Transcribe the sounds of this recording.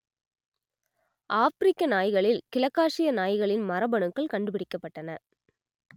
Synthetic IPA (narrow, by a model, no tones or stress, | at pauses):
ʔaːfɾɪkːɐnaːjɣɐɭɪlkɪlɐkːaːʂɪjɐnaːjɣɐɭɪnmɐɾɐbɐɳɯkːɐɭkɐɳɖɯpɪɽɪkːɐpːɐʈːɐnɐ